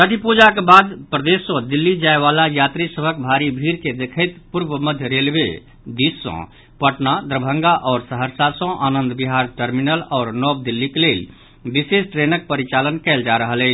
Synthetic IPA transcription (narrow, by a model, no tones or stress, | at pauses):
t̪əʈʰipud͡ʒakebad̪pɾəd̪esːɔ̃d̪ilːid͡ʒaeβalajat̪ɾisəbʱək̚bʱaɾibʱiɾked̪ekʰəɪt̪puɾbəməd̪ʱjəɾelbḛ | d̪isːɔ̰̃ | pəʈnad̪ɾəbʱə̃ŋɡaʔɔːɾsəɦəɾsasə̃ʔanənd̪biɦaɾʈəɾminəlɔːɾnɔb̚d̪ilːikelel | bisesʈɾenək̚pəɾit͡ʃalənkɛld͡ʒaɾəɦəlɛ